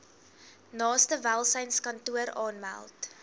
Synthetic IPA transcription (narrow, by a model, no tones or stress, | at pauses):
nɑːstəvælˠsəjnskɐntuəɾɑːnmæ̰lˠt